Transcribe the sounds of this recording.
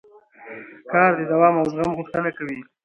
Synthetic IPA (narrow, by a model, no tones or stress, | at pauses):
kɑɾd̪əd̪awɑmawzɣamɣʊxt̪ənakawi